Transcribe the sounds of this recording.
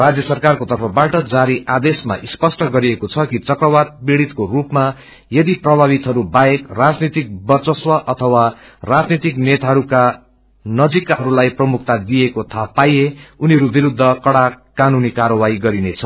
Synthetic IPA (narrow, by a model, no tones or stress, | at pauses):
rad͡zjʌsʌrkarkot̪ʌrpʰʌbaʈʌd͡zaɾiʔad̪esma̰ʔispʌsʈʌɡʌɾiekot͡sʰʌkit͡sʌkrʌwad̪beɽit̪korupma | jʌd̪iprʌbʱaβit̪ɦʌɾubaekrad͡znit̪ik̚bʌrt͡sʌswʌʔʌt̪ʰʌwa | rad͡znit̪iknet̪aɦʌɾuka | nʌd͡zikaɦʌɾulajprʌmuk̚t̪ad̪iekot̪ʰapajeuniʌɾubiɾud̪ʱːʌkʌɽa | kanunikaɾʌwaiɡʌɾinet͡sʰʌ